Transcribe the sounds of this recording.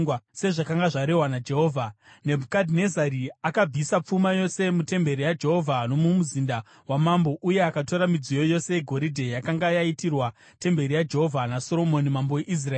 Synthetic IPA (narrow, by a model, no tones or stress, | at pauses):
se̞ʐakaŋɡaʐaɾe̞ɦwanad͡ʒe̞ɦoːvʱane̞bʱukadʱine̞zaɾiakab͡visap͡fumajo̞se̞mute̞mbe̞ɾijad͡ʒe̞ɦo̞vʱano̞mumuzinda | wamambo̞ʔuje̞akato̞ɾamid͡zijo̞jo̞se̞jeɡʱo̞ɾidʱe̞jakaŋɡajaitirwa | te̞mbe̞ɾijad͡ʒe̞ɦo̞vʱanaso̞ɾo̞monimambo̞eʔis̬raeː